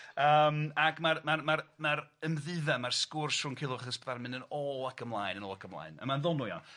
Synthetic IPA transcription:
əːmakmarmarmaɾmaɾəmðɨðɛmarskʊrsrʊnkʰɪlˠʊaχəsbðarmɪnənɔːlˠakʰəmlˠaːjnənɔːlˠakʰəmlˠa̰ːjnə̰manðɔnujɔ̰

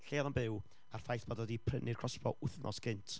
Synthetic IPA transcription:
ɬeaðɔnbɪw | ar̥fajθb̥ɔdɔdipʰrənʔɪrkʰrɔsbɔʔʊθnʔɔ̰sɡ̥ɪntʰ

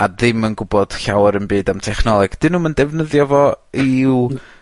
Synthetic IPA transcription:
aðɪmənɡʊbɔd̥ɬawɛɾənbɨːdamtʰɛχnɔlˠɛɡ̥d̥ɪnuːməndɛvnəðjɔvɔiw

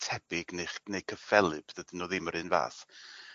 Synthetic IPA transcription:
tʰɛbɪɡnejχnejkʰəfɛlˠɨb̥ðədənɔːðiməɾɨnva̰ːθ

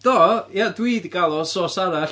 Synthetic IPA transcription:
d̥ɔjadwiːdiɡalˠɔsoːsaɾaɬ

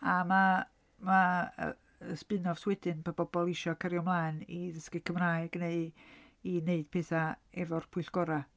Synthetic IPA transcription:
ama | maə̰ | əspɨnɔv̥swɛdɨnpʰab̥ɔbɔlˠɪʃɔkʰəɾjɔmlˠaɨniðəskɨkʰəmraːɨɡ̥neɨ | ineɨd̥̚pʰeːθaɛvɔrpʰʊɨɬɡ̥ɔɾa

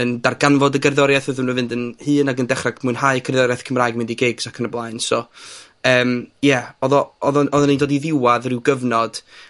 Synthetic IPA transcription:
əndarɡanvɔdəɡərðɔɾjaθvɨðəməvɨndənhɨːnaɡəndɛχraɡmʊɨnhaɨəkʰərðɔɾjaθkʰəmraːɨɡmɪndiɡɪɡsakʰənəblˠaɨnsɔ | əːmjɛɔðɔɔðɔɔðɔnindoːdiðɪwaðrɪwɡəvnɔd̥

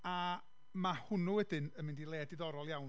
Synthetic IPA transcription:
a | mahʊnuwɛdɨnəmɪndilˠɛːdɪðɔɾɔlˠjawn

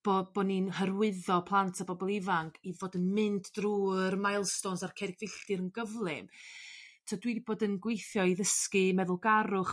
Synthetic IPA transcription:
b̥oːb̥ɔninhərwɪðɔpʰlˠantʰabɔbɔlˠivaŋkʰivoːdənmɪnddruːəɾmajlˠstɔnsarkʰɛɾɪɡvɪɬd̥ɨɾənɡəvlˠɪm | tʰɔdwidiboːdənɡwejθjɔiðəskɨmɛðʊlˠɡaɾʊχ

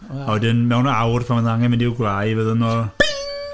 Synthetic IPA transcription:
awɛdɪnmɛwnawrpʰamənðaŋɛməndiɪwɡlajvəðənɔ

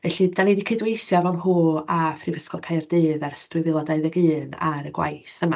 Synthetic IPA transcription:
vɛɬidanejdikʰedwejθjavawnɦuːafʰrivəskɔlˠkʰajrdɨːvɛrstwɪvɪlˠɔdajðɛɡɨːna̰ɾəɡwa̰jθəma

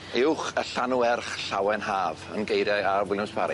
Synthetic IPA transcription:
ɪwχəɬanuɛrχɬawɛnhaːvə̰nɡejɾjajarwɪlˠjʊmspʰaɾḭ

